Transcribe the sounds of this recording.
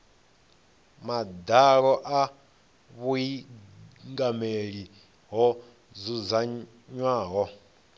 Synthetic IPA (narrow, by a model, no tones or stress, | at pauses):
mad̪aɺɔʔa | βui | ŋɡameɺi | ɦɔ | zuza | ɲwaːɦɔ